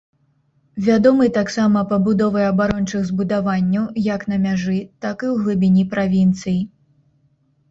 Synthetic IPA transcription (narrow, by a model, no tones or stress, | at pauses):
vʲad̪ɔmɨt̪aksamɐpɐbud̪ɔvɐjɐbaɾɔnt͡ʂɨɣzbud̪avanʲːɐwjɐknɐmʲaʐɨt̪akɨwɣlˠɨbʲinʲipɾʔavʲint̪sɨji